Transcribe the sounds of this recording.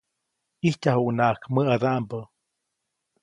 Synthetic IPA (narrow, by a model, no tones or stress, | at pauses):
ihtahunaʔkməad̪aʔmbə